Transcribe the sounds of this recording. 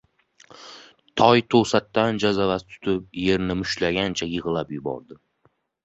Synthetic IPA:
t̪ʰɒjt̪ʰosat̪ːand͡ʒazavat̪t̪ʰʊ̥t̪ʰɪp̚je̞ɾnɪmʊʃlaɡʲant͡ʃʰajɨʁɨlapjʊbɒ̰ɾd̪ɪ

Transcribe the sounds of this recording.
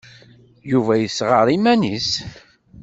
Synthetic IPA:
juvæjəsʁəɾˤimænis

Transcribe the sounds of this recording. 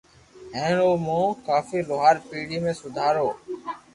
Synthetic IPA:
ɦẽːɳoːmõːkaːfiːloːɦaːɾpiːɽiːmẽːsʊd̪ʱaːɾoː

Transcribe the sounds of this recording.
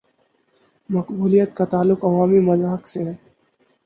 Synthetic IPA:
mɐqbuːlijət̪kat̪aːlːʊkɐʋaːmimɐzaːɦəkseɦɛː

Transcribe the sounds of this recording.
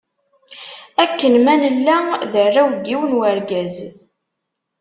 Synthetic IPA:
ækːənmænəlːæðərːawɡiwənwəɾɡæz

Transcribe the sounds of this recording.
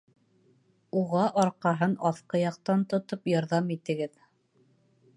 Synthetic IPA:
uʁɑʔɑɾqɑɦɤnɑθqɤjɑq̚t̪ɑnt̪ŏt̪opjɑɾðɑmit̪ɘ̆ɡɘð

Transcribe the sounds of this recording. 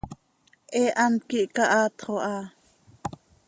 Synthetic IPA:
ʔeːʔɑnkiʔkɑʔɑːt̪χoʔɑː

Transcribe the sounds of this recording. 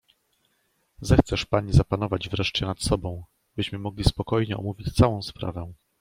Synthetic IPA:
zɛxt̪sɛʂpaɲizapanɔvad͡ʑvɾɛʂt͡ɕɛnat̪sɔbɔ̃w̃ | bɘɕmɘmɔɡlʲispɔkɔjɲɛɔ̰muvʲit͡ɕt̪sawɔ̃w̃spɾa̰vɛ̃

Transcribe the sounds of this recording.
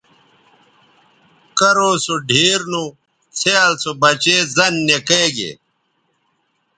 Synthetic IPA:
kɐɾosuɖʱiːɾnu | t͡sʰealsobɐt͡ɕeːzɐnːekeɡḛ

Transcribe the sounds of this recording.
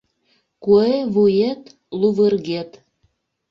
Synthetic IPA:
kueβujet̪ | luβərɣet̪

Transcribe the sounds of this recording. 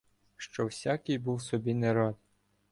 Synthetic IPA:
ʃt͡ʃɔwsʲakɪjbuwsɔbʲineɾɑd̪

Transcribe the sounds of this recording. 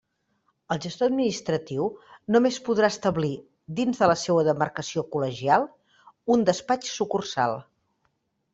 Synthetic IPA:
əlˠʒəst̪oəd̪minist̪ɾət̪iwnumespuðɾaəst̪əβli | d̪inzðələsewəðəmərkəsiokuləʒialˠ | und̪əspat͡ʃsukursa̰lˠ

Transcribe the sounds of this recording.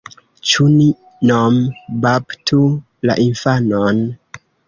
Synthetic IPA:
t͡ʃuni | nombabtʰu | la̰ʔinfanon

